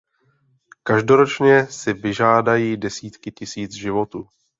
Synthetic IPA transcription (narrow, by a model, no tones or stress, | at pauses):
kaʒdo̞ɾo̞t͡ʃɲɛsɪvɪʒaːdajiːdɛsiːt̪kɪcɪsiːt͡sʒɪvo̞t̪uː